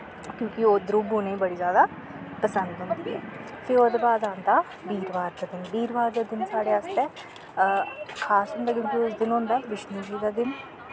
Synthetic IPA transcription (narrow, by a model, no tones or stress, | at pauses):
kjõːkɪoːd̪ɾuboːneːiːbəɽiːzjaːd̪aː | pəsə̃nd̪ɦʊ̃nd̪iiːɦɛ̰ːfʰɪɾoːd̪eːbaːd̪ãːnd̪aː | biːɾʋaːɾd̪aːd̪ɪnbiːɾʋaːɾd̪aːd̪ɪnsaːɽeːast̪ɛː | kʰaːsɦʊ̃nd̪aːk̬ʲjõːkiʊsd̪ɪnɦõːnd̪aːʋɪʃniːd͡ʒiːd̪aːd̪ɪn